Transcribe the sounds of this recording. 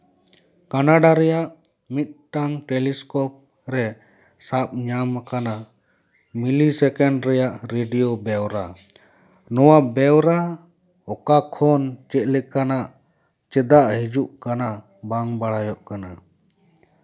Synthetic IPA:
kanaɖaɾɛjaʔ | mit̪̚ˀʈaŋʈeliskɔp̚ | ɾɛ | sap̚ɲamkana | milisɛkɛɳɖɾɛjaʔɾeɖijobɛwɾa | nɔwabɛwɾa | ɔkakʰɔnt͡ʃɛt̪̚lɛkanaʔ | t͡ʃɛd̪aʔɦid͡ʒuʔkana | baŋbaɽajɔʔkana

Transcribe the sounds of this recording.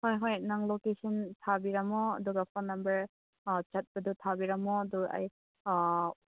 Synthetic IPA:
hojɦojnaŋlokesɔntʰabiɾamɔɐ̰duɡapʰɔnːambɐɾ̚ | t͡ʃat̚bɐdutʰabiɾamɔɐdua̰j

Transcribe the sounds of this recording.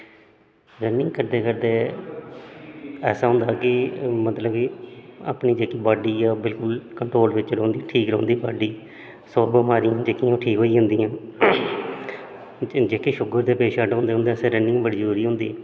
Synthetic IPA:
ɾənɪ̃ŋɡkəɾd̪eːkəɾd̪eː | ɛ̰ːsaːɦʊ̃nd̪aːkɪmət̪ləbkɪa̰ːpniːd͡ʒeːkiːbaːɖiːjaːbɪlkʊlkəɳʈɾoːlʋɪt͡ʃɾõːnd̪iːʈʰiːkɾõ̰ːnd̪iːbaːɖiː | soːbəmaːɾijãːd͡ʒeːkĩãːʈʰiːkɦoːiːɦʊ̃nd̪iːãː | d͡ʒeːkeːʃʊɡəɾd̪eːpeːʃaːɖːnd̪eːɦʊ̃nd̪eɛseːɾənːɪ̃ːãːbəɽd͡ʒuːɾiːɦʊ̃nd̪iː

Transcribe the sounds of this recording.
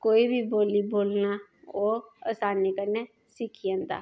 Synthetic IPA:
koːiːbʱiːboːliːboːlnaː | oːə̰saːnːiːkəɾneː | sɪkʰiãːnd̪a̰ː

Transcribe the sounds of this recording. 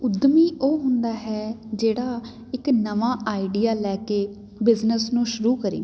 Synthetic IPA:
ʊd̪miːʔoːɦʊnd̪aːɦɛːd͡ʒeːɽaː | ɪknəʋãːʔaːiɖiːaːlɛːkeː | bɪznəsnũːʃʊɾuːkəɾḭː

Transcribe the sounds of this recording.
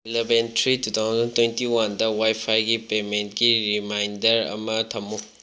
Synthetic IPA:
ilebentɾitut̪ʰawd͡zɐntʰwentiwɐndɐwajpʰajɡipement̚kiɾimajndɐɾɐ̰mɐtʰɐmːu

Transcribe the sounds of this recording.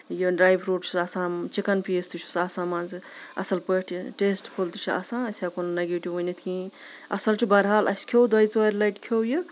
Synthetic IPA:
juɖɾaːjbɾuːʈt͡ʃʰuɐsãːmt͡ʃikɐnpist̪ut͡ʃʰu̥sɐsãːmɐnzɨ | ɐ̰sɐlpəʈʰiʈeːsʈpʰult̪ut͡ʃʰiɐ̰sãːɐsʲaːkonnɐɡiʈiʋunit̪ʰkʰĩ | ɐsɐlt͡ʃʰibɐɾɦaːlɐsʲkʰowd̪ɐjt͡sʋɐɾʲlɐjʈkʰowjɨ

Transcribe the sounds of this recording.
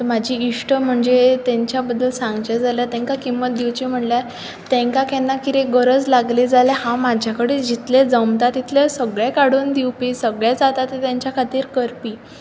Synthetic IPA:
t̪əmad͡ʑʱiːʂʈəm̤əɳd͡zet̪eɲt͡ɕjabəd̪ːəlsãŋɡt͡ɕed͡zʱaljat̪ɛ̃ŋkakimːət̪̚d̪iwt͡ɕim̤əɳlja | t̪ẽŋkakɛnːakiɾeɡəɾəd͡zlaɡlid͡zalɛhãmad͡ʑʱjakəɽed͡ʑit̪led͡zəmt̪at̪ːit̪lesəɡɭjakaɽuːnd̪iwpisəɡɭjad͡zat̪at̪ːet̪jaɲt͡ɕjakʰat̪iːɾkəɾpiː

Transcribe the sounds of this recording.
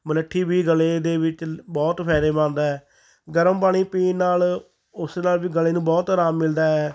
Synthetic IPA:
mələʈʰːiːbiːɡəleːd̪eːʋɪt͡ʃbɔːt̪pʰɛːɾeːbãːnd̪aːɛː | ɡəɾəmpaːɽ̃iːpiːnnaːl | ʊsenaːlʋiːɡəleːnũːbɔːt̪ɾaːmːɪld̪aːɛː

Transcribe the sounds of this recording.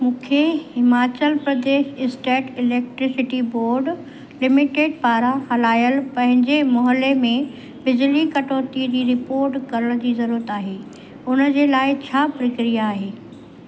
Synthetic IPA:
mũːkʰehɪmaːt͡ɕəlpɾɐd̪eːʃɪsʈeːʈɪleːk̚ʈɾɪsɪʈiboːɾɖ | lɪmɪʈeːɖ̚paːɾahɐlaːjəlpɐ̃ɦɪ̃ɲd͡ʑemɔɦəlemẽ | bɪd͡ʑlikɐʈoːt̪id͡ʑiːɾɪpoːɾʈkɐɾəɽ̃d͡ʑiːzɐɾuːɾət̪aːɦeː | ʊnə̆d͡ʑeːlaːɪt͡ɕʰaːpɾɐkɾijaːɦeː

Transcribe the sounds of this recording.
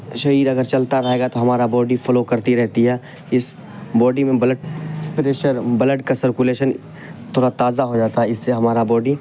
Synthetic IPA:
ʃɐɾiːɾɐɡəɾt͡ʃɐlt̪aɾɐɦeːɡat̪oɦɐmaːɾabɔːɖifɔlokɐɾt̪iɾɛɦt̪iɦɛː | ɪs | bɔːɖimẽbɐləɖpɾeːʃəɾbɐləɖkasəɾkuleːʃən | t̪ʰoːɽat̪aːzaɦod͡ʒaːt̪aɦɛɪsːeɦɐmaːɾabɔːɖi

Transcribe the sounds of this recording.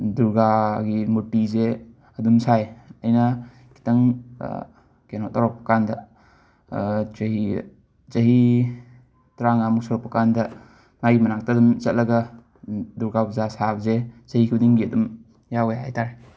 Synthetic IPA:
duɾɡaɡimutːize | ɐdumsajɐjna | ki̥tɐŋ̰ | kenɔtaɾɔk̚pɐ̥kandɐ | i | t͡ʃɐɦi | tɾaŋamuk̚sɔɾɔk̚pɐkandɐ | maɡimɐnak̚tadumzɐt̚lɐɡɐ | duɾɡabzasap̚zet͡ʃɐhikʰudiŋɡiɐdum | jawajaɦajtaɾ

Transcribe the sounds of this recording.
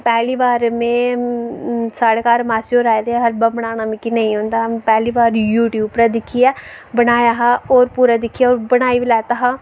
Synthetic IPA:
pɛːliːʋaːɾmẽː | saːɽeːkaːɾmaːsioːɾaːed̪eɦəɾbabəɽ̃aːnaːmẽːkinəĩːɦõːnd̪ãːpɛːliːʋaːɾjuːʈjuːpɾaːd̪ɪkʰːijaː | bəɽaːjaːɦaoːɾpuːɾaːd̪ɪkʰːijaːoːɾbəɽaːiʋilɛːt̪aːɦaː

